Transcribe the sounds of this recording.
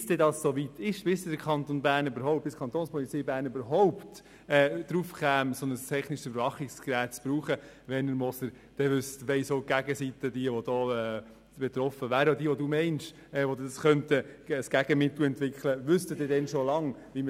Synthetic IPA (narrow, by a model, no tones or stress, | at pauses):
sd̥ɛdɑssoʋit̪ɪʃʋɪsded̥əɾkʰχɑnt̪onbæːɾnybəɾɦɔʊp̚tɪskʰɑnt̪onspʰɔlit͡sɛjbæːɾnybəɾɦɔʊpt | ɛd̥ɾufkæːmsɔnəst̪ʰɛχnɪʃsybəɾʋɑχɪkskɾæːt̪̚t͡sb̥ɾuːχə | ʋɛnəɾmɔsəɾ | d̥ɛʋʏst̪ʋɛɪsoɡ̥æɡəsit̪əd̥iəʋodɔːɛː | b̥et̪ɾɔfəʋæːɾəodiːəʋɔdumɛɪnʃ | ɛʋod̪sχœntəːsɡ̥æɡ̥əmɪt̪l̩ɛnt̪ʋɪkχləʋʏst̪ədɪdɛnʃolɑŋʋimə